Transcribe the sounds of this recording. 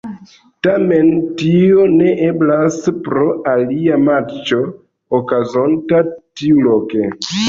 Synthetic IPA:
tame̞ntio̞ne̞ʔe̞blaspɾo̞aliamat͡ʃo̞ | okazo̞ntatiulo̞ke̞

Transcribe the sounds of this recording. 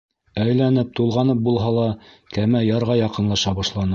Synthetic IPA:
æjlænɘp̚t̪ulˠʁɑnɤp̚bulˠɦɑlˠɑkæmæjɑɾʁɑjɑqɤ̆nlˠɑʃɑbɑʃlˠɑnɤ

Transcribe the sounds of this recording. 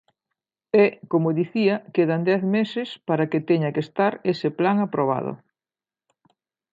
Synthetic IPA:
ɛkomʊðiθiɐkeðand̪ɛθmesɪspaɾaket̪eɲakest̪aɾesɪplaŋapɾoβ̞a̰ð̞ʊ̰

